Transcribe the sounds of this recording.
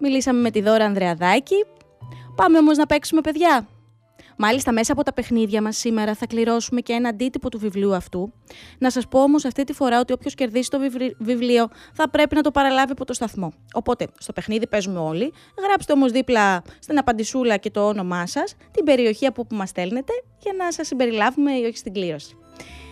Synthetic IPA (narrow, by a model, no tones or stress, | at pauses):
milisɐme̞me̞t̪iðo̞ɾɐːnðɾeɐðɐci | pɐme̞o̞mo̞znɐpe̞ksume̞pe̞ðʝɐ | mɐlist̪ɐme̞sɐːpo̞t̪ɐpe̞xniðʝɐmɐsːime̞ɾɐθɐkliɾo̞sume̞cee̞nɐːnd̪it̪ipo̞t̪uvivliuɐft̪u | nɐsɐspo̞o̞mo̞sɐft̪it̪ifo̞ɾɐo̞t̪io̞pço̞sce̞ɾðisi̥t̪ovivlio̞θɐpɾe̞pinɐt̪o̞pɐɾɐlɐviɐpo̞t̪o̞st̪ɐθmo̞o̞po̞t̪e̞st̪o̞pe̞xniðipe̞zumeo̞li | ɣɾɐpst̪e̞o̞mo̞zðiplɐst̪inɐpɐnd̪isulɐce̞t̪o̞ono̞mɐsɐst̪imbe̞ɾio̞çiɐpupumɐsθe̞lne̞t̪e̞ʝɐnɐsɐsːimbe̞ɾilɐvume̞io̞çist̪iɡliɾo̞si̥